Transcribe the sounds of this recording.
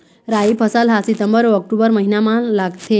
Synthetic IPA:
ɾaipʰəsalɦasit̪əmbəɾʋɔk̚ʈubəɾməɦinamalaɡt̪e

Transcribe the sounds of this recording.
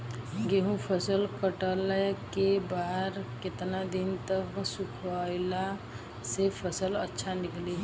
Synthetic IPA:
ɡeɦũpʰəsəlkəʈələkebaːɾkɪt̪nad̪int̪əksukʰʋaɪla | sepʰəsələtːʃʰanɪkli

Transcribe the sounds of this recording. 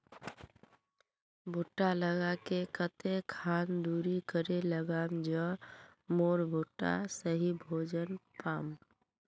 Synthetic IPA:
bʱuʈːaləɡakekət̪ekʰaːnd̪uɾikəɾeləɡamd͡ʒəmoɾbʱuʈːa̰səɦibʱoːd͡ʒənpaːm

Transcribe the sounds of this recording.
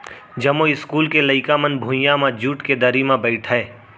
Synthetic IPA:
d͡ʒɐmoɪskuːlkelɐɪkamənbʱʊ̃jamãd͡ʒuːʈked̪ɐɾimãbəɪʈʰɛː

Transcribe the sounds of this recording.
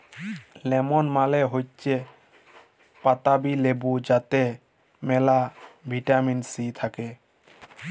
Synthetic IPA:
lɛmɔnmaleɦojt͡ʃʰe | pat̪abilebud͡ʑat̪e | mɛlabʱiʈaminsit̪ʰake

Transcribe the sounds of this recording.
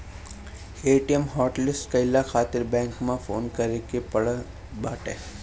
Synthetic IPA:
eːʈijemɦɔːʈlɪsʈkəɪlaxʰaːt̪ɪɾbɛ̃ːŋkmãfoːnkəɾekepəɽ | baːʈḛ

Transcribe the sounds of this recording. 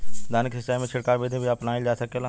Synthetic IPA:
d̪ʱaːnɪkɦɪsːamẽt͡ʃʰɪɽkaːɾbeːd̪ʱẽbʱiapnaːɪld͡ʒaːsɐkela

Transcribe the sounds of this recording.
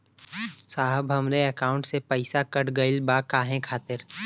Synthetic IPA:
saːɦəbʱɦɐmleəkaːʊ̃ɳʈsepəɪsakəʈɡəɪlbakaːɦẽkʰaːt̪ɪɾ

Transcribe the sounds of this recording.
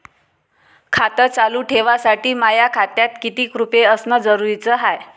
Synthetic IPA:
kʰat̪ət͡saluːʈʰeʋasaʈiːmajakʰat̪jat̪kit̪iːkɾupeəsnəd͡zəɾuɾit͡səɦaj

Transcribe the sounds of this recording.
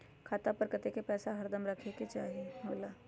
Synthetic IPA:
kʰaːt̪apəɾkət̪ekepɛːsaɦɐɾd̪əmɾɐkʰeket͡ʃaːɦijeɦoːlaː

